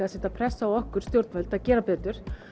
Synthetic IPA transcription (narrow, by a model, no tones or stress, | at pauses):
asɛt̪apʰɾɛsːaawɔhkʏɾ̥t̪jowɾt̪vɛlt̪aðcɛːɾapɛːt̪ʏɾ̥